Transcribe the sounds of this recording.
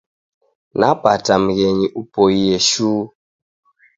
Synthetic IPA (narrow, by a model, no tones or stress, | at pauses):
napatam̩ɣɛɲiʔupɔiɛʃuː